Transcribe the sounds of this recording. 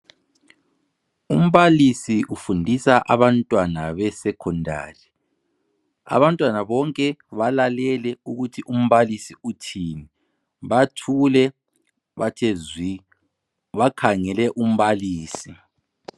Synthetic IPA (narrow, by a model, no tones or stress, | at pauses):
um̩βalisiʔufundʱisaʔa̰βantʼwanaβɛsɛkʰɔndʱa̰ːri | a̰βantʼwanaβɔŋkʼɛβalalɛlɛuɣutʰiʔum̩βalisiutʰiːni | βatʰulɛ | βatʰezwi | βakʰaŋɛlɛʔum̩βaliːsi